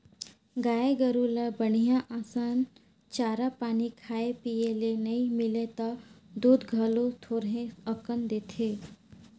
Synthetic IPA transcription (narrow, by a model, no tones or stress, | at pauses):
ɡaːeɡəɾuləbəɽ̤ijãʔaːsaːn | t͡ʃaːɾapaːnikʰaːepijelenɐĩmɪlet̪ad̪uːd̪ɡʱəlõt̪ʰoːɾɦẽəkənd̪eːt̪ʰeː